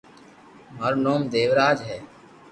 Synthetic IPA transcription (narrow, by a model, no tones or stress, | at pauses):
məɾnoːmd̪eːʋɾaːd͡ʒɦɛː